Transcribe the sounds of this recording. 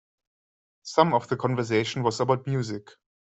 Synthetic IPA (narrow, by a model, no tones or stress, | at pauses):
sʌ̃mɔvðəkʰɔ̃nvə˞s̬eɪʃə̃n̩wɔzəbaʊt̚mjuːzɪk